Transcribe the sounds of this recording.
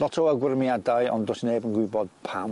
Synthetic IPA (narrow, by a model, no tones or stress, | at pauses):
lˠɔtʰɔwəɡwɪrmijadaɨɔ̰ndoːsneːbənɡwɪbɔd̥pʰam